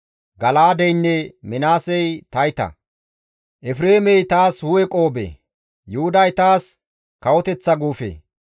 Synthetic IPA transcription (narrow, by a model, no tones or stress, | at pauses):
ɡɐlaːd̪ɛjnːɛmɪnaːsɛjt̪ɐjt̪ɐ̰ | ʔɛfɪɾeːmɛjt̪aːshʊwɛkʼo̞ːbḛ | jʊhʊd̪ɐjt̪aːs | kɐwɔt̪ɛt͡sːɐɡuːfḛː